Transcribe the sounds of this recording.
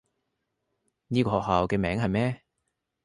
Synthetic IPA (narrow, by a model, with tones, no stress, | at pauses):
niː˥kɔː˧hɔː˨k̚haː˨˧wkɛː˧mɛː˨˥ŋɦɐ˨jmɛː˥